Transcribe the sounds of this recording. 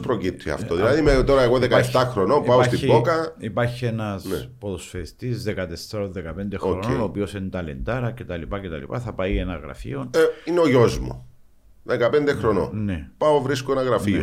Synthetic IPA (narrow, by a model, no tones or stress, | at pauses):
spɾocip̚t̪ʰiɐ̰ft̪oðilɐðimet̪oɾɐeɣoðekɐeft̪ɐxɾonopɐost̪ibokɐipɐɾçienɐsepoðosfeist̪izðekɐt̪esːɐɾonðekɐpend̪exɾɾononoːpio̞sint̪ɐlend̪ɐɾɐcet̪ɐlipɐcet̪ɐ̰lḭpɐθɐpɐjenɐɣɾɐ̰fḭonineoʝozmo̰ | ðekɐpend̪exɾono̰nepaovɾiskonɐɣɾɐfio